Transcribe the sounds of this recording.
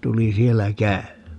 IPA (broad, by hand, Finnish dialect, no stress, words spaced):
tuli sielːæ kæymˑæː